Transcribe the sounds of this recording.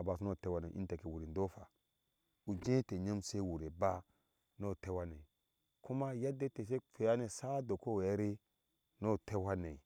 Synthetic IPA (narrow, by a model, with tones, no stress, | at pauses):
a˨ba˨su˦no˦˨te˦wa˦ne˨ʔḭ˦n˦te˨ke˨wu˨ɾi˨n˨do˦fa˨ | u˨d͡ʒẽ˦te˨ɲa˦mse˦wu˨ɾe˨ba˦ | no˦˨te˦wa˦ne˨ | ku˦ma˦ja˦de˦te˨s̬e˦fe˨ja˦ne˨sa˦do˨ko˦we˨ja˦ɾe˦ | no˦˨te˦wa˦ne˨i˨